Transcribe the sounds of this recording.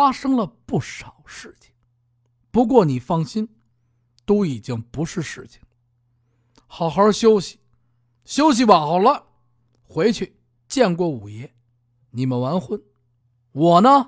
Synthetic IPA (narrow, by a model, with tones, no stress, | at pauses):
a˥ʂɤ˥ŋlə˨pu˥˩ʂɑ˨˩ʊʂɻ̩˥˩t͡ɕʰi̥˨˩ŋ | pu˧˥k̬wɔ˥˩ni˨˩fɑ˥˩ŋɕi˥n | t̪o˥ʊi˨˩t͡ɕi˥ŋpu˧˥ʂɻ̩˥˧ʂɻ̩˥˩t͡ɕʰi̥˩ŋ | xɑ˨˩ʊxə˞˧˥ɕjo˥ʊɕi̥˨ | ɕjo˥ʊɕ̬i˨wa˨˩nxɑ˨˩ʊlə˦ | xwe˧˥ɪt͡ɕʰy˥˩ | t͡ɕjɛ˥˧nk̬wɔ˥˩u˨˩jɛ˥˩ | ni˨˩mə˦nwa˧˥nxwə˥˩n | wɔ˨˩nə˦